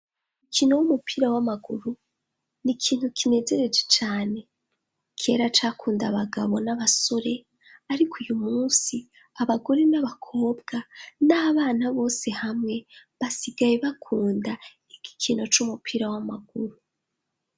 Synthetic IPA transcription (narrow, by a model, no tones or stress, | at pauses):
ukʰino̞wumupiːɾawamaɡuɾu | nikʰiːn̥hukʰine̞ze̞ɾe̞d͡ʒe̞t͡ʃaːne̞ | kʰe̞ɾat͡ʃaːkuːndaβaɡaβo̞naβaso̞ɾe̞ | aɾikʰujumuːsi | aβaɡo̞ɾenaβakʰo̞ːbɡanaːβaːnaβo̞ːse̞hamŋe̞βasiɡajeβakʰuːnda | iɡi̥kʰino̞t͡ʃumupʰiːɾawamaɡ̥uɾu